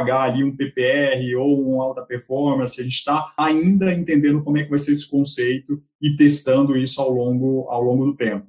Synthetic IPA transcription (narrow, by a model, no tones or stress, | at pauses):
ɡaːliũpepeɛɛɦɪowũawt̪ɐpeɾfɔɾmɐ̃sɪaʒẽnt͡ʃɪ̥t̪aaĩnd̪ɐẽnt̪ẽnd̪ẽnd̪ʊkomʊɛkɪvajseesɪ̥kõsejt̪ʊ | ɪt̪est̪ɐ̃nd̪ʊisʊawlõɡʊa̰wlõɡʊd̪ʊt̪ẽmpʊ